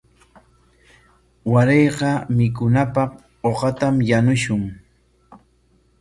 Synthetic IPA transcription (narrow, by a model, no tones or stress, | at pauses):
waɾejqɑmɪkʊnapɑq | oqɑt̪amjanʊʃʊŋ